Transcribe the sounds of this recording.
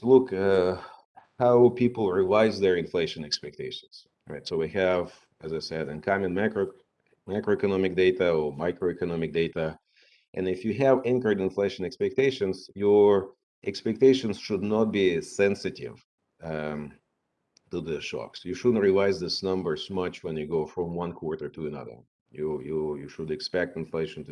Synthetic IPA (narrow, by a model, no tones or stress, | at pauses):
lʊk | haʊpʰipl̩ˠɹivaɪzðə˞ɨ̃nfleɪʃɨ̃nɛkspɛk̚tʰeɪʃn̩z̥ | ɹa̰ɪtsoʊwihɨv | ɨzaɪsɛɾɨ̃nkʰãmɨ̃nmakɹo | maɪkɹoɛkɨnɑmɪk̚deɪtəə˞maɪkɹoʊɛkɨnɑmɨk̚d̥eɪɾə | ʔɨ̃nɪfjɨɦɨvɪ̃nkə˞idɨ̃nfleɪʃɨ̃nɛkspɛk̚tʰeɪʃɨ̃nz̥jə˞ | ʔɛkspɛk̚teɪʃɨ̃nz̥ʃʊdⁿnət̚b̥isɛ̃nsɨɾɪ̰v̥ | tuðɨʃɔ̰ksjɨʃʊdⁿn̩t̚ɹilaɪzðɪsnʌ̃mbə˞z̥mʌt͡ʃwə̃njɨɡoʊfɹɔ̃mwʌ̃nkʰw̥ɔɹtə˞tʰɨɨnʌ̰ðə̰˞ | jɨjɨjɨʃʊdɨkspɛk̚tɨ̃nfleɪʃɨ̃n̩t